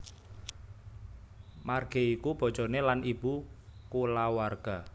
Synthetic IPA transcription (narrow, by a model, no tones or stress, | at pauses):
marɡ̥e̤ikub̥ɔ̤̥ʒ̥ɔ̤nelanib̥ukulawarɡ̥a